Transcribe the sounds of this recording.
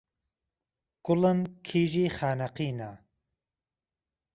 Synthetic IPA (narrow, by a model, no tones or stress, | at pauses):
ɡ̥ʊlənkʰiːʒiːχaːnɐqiːna